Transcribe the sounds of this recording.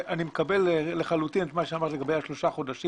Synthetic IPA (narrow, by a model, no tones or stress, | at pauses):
ʔanimekabelːeχalut̪inet̪maʃeamaʁt̪leɡabejhaʃlo̞ʃaχo̞d̪aʃi